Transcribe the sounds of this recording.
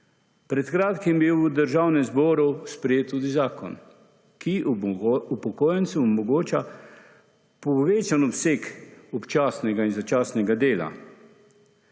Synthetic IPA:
pɾɛt̪kɾaːt̪kimbiwud̪əɾʒaːwnɛzbɔːɾuspɾɛjeːt̪ːuːd̪izaːkɔ̰n | ki | upɔkoːjɛnsɛːmɔɡoːt͡ʃa | pɔʋeːt͡ʃanɔpsekɔpt͡ʃaːsnɛɡainzat͡ʃaːsnɛɡad̪eːla̰

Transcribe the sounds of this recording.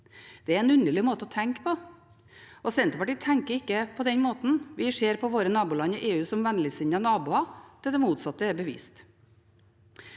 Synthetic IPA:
d̪̥ɛæɾɛnʉnd̪əɭɪmoːt̪əɔt̪ʰɛŋkpʰɔ | ʔɔsɛnt̪əpɑʈit̪ʰɛŋkəɾɪkːəpʰɔd̪ɛnmoːt̪n̩ʋɪʂeːɾpʰɔʋoːɾənɑːbʊlɑnəʔeːʉːsɔmʋænlɪsɪnənɑːbʊɑt̪ʰɛd̪ɛmuːt̪sɑt̪ːəɛɾbəʋḭːst̪

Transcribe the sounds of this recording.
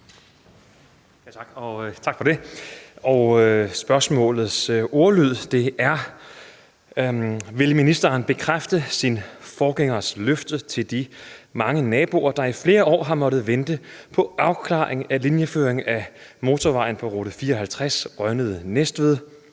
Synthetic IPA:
jʰɑɡ̥ɒt͡sʰɑ̈ɡ̥fɒ̽d̥e̝ | ɒsb̥ɶɐsmɔ̰̽ːlð̞̩ˠso̝ɐlyð̞̰ˠd̥e̝ʔæɐ | ʋe̝lminisd̥ɐːnb̥e̝kʰʁafd̥əsinfɒːɡ̥eŋ̰ɐsløfd̥ət͡sʰe̝ld̥imɑ̈ŋənɛːb̥o̝ɐd̥ɑ̈ifle̝ːɐɒ̰ːɦɑ̈mɒ̽d̥ð̩ˠʋend̥əpʰɒ̽ʔɑ̈ʊkʰlɑ̰̈ːeŋælinjəfø̰ːɐeŋæmo̝ːt͡sʰɒʋɑ̈ɪ̰n̩pʰɒ̽ʁoð̩fiːɐɒɦælt͡sʰʁasʁɶnəð̞ˠənesd̥ʋeðˠ

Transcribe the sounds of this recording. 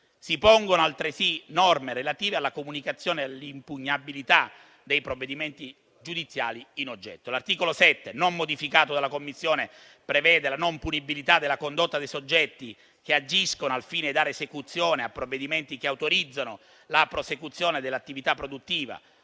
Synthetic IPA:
sipoŋɡonoalt̪ɾesinɔrmeɾelat̪iːvealːakomunikat̪sːjoːnealːimpuɲːabilit̪a | d̪ejpɾovːed̪iment̪i | d͡ʒud̪it̪sːjaːliːnod͡ʒːɛ̰t̪ːolart̪iːkolosɛt̪ːenomːod̪ifikaːt̪od̪alːakomːisːjoːne | pɾevɛːd̪elanompunibilit̪ad̪ːelːakond̪ot̪ːad̪ejsod͡ʒːɛt̪ːi | k̟ead͡ʒiskonoalfiːned̪ːaːɾeːsekut̪sːjoːneapːɾovːed̪iment̪ik̟eawt̪oɾid̪zːano | lapɾosekut̪sːjoːned̪elːat̪ːivit̪apːɾod̪ut̪ːiːva̰

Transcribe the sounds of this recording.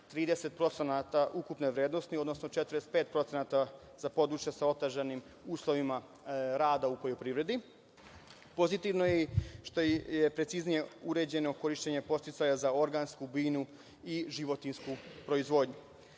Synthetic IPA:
t̪ɾiːd̪ese̞t̪̚pɾo̞t̪senat̪aʔukupneʋɾjeːd̪no̞snio̞d̪no̞snot͡ʃet̪ɾest̪̚peːt̪̚pɾo̞t̪senat̪a | z̥apo̞d̪ɾut͡ʃjasao̞t̪eʒanim | uːslˠo̞ʋima | ɾaːd̪aupo̞ʎopɾiʋɾe̞d̪i | po̞zit̪iʋnojeʃt̪ojepɾe̞t̪siznije̞uɾe̞d͡ʑe̞no̞ko̞ɾiʃt͡ɕeɲe̞po̞st̪it̪sajazao̞ɾɡanskubiːnu | iʒiʋo̞t̪inskupɾo̞izʋo̞ːd̪ɲu

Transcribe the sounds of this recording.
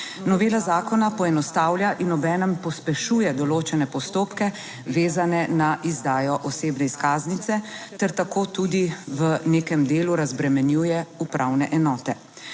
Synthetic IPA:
nɔʋeːlazaːkɔnapɔɛnɔst̪aːwljaʔinɔbɛːnɛmpɔspɛʃuːjɛd̪ɔloːt͡ʃɛnɛpɔst̪oːpkɛ | ʋeːzanɛnaʔizd̪aːjɔʔɔseːbnɛiskaːznit̪sɛt̪ɛɾt̪akoːt̪uːd̪iʋəneːkɛmd̪eːluɾazbɾɛmɛnjuːjɛupɾawnɛʔɛnɔːt̪ɛ

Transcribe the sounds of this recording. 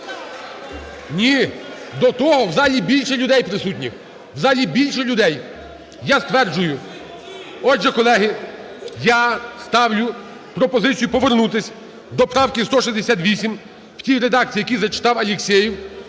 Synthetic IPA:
nʲid̪ɔt̪ɔɦɔwzɑlʲibʲilʲʃɛlʲʊd̪ɛjpɾɪsutʲnʲix | wzɑlʲibʲilʲʃɛlʲʊd̪ɛj | jast̪ʋɛrd͡ʒʊjʊ | ɔd͡ʒɛkɔlˠɛɦɪ | jast̪ɑwlʲʊ | pɾɔpɔzɪt͡sʲijʊpɔʋernut̪̬ɪsʲ | d̪ɔpɾɑwkɪst̪ɔʃizd̪esʲat̪ʋʲisʲim | w̥tʲijɾed̪ɑk̚t͡sʲijːjɐkʲizɐt͡ʃɪ̥t̪ɑwɐlʲɪksʲɛjiw

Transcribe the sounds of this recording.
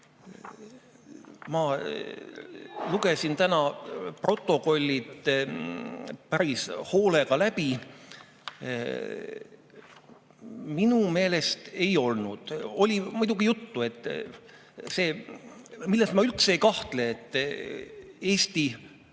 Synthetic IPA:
mɑ | luɡe̞sint̪ænɑpro̞t̪ˑːo̞ko̞lʲːit̪ | pæɾisho̞ːle̞ɡ̥ɑlæb̥i | minume̞ːle̞st̪e̞jo̞lnud̪̥o̞lʲimujd̪̥uɡ̥ijut̪ːue̞t̪ː | se̞ː | milːest̪mɑylt̪sejkɑht̪le̞ːt̪ː | e̞ːst̪i

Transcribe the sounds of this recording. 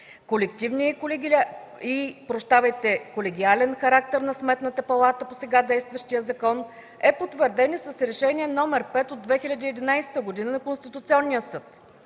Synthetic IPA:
kolɛkt̪ivniɛl | ipɾoʃt̪avɐəjt̪ɛkolɛɡʲialɛnxɐɾak̚t̪ɛɾnɐsmɛt̪nət̪əpɐlˠat̪əposɛɡad̪ɛjst̪vəʃt̪ijəzɐkɔn | ɛpot̪vəɾd̪ɛnisəsɾɛʃɛnʲiɛnɔmɛɾpɛt̪od̪vɛxilʲɐd̪iːɛd̪inajsɛ̥t̪əɡod̪inənɐkonst̪it̪ʊt̪siɔnːijəsɤt̪

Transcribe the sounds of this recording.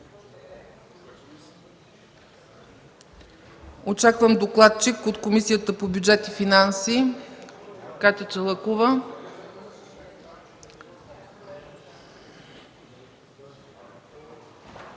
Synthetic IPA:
ot͡ʃakvəmd̪oklˠat̪̚t͡ʃikot̪komisijət̪əpobʲjud͡ʒɛt̪ifinansi | kat̪ɛt͡ʃəlˠəkovə

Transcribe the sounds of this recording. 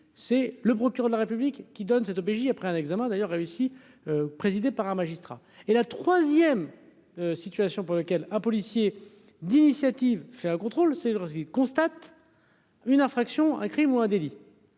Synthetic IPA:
sɛləpχɔkʲyʁɛœd̪əlaʁepyblikːid̪ɔnsɛt̪op̬eʒiapχɛɛ̃nɛɡzamɛ̃d̪ajœʁːeysi | øpχezid̪epaʁɛ̃maʒist̪χa̰ | elat̪χwazjɛm | øsit̪ɥasjɔ̃puʁlakʲɛlɛ̃pɔlisje | d̪inisjat̪ivfɛɛ̃kɔ̃t̪χolsɛsəkilkɔ̃st̪at̪ | ynɛ̃fχaksjɔ̃ɛ̰̃kχimuɛ̃d̪eli

